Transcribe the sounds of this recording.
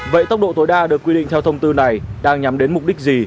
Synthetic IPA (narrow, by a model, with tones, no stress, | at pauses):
və̰˧˨jt̪ə˦˥wk͡p̚ɗo̰˧˨t̪o˨˦jɗaː˧ɗɨ˨˩əkwi˧ɗḭ˧˨ŋt̪ʰɛ˧wt̪ʰə˧wŋ͡mt̪ɨ˧na˨˩jɗaː˧ŋɲa˨˦mɗe˨˦nmʊ˨˩k͡p̚ɗi˦˥k̚zi˨˩